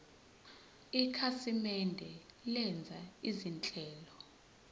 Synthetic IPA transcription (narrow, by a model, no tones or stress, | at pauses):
ikʰasimɛndʱɛlɛnd͡zʱaizint͡ɬʼɛːlɔ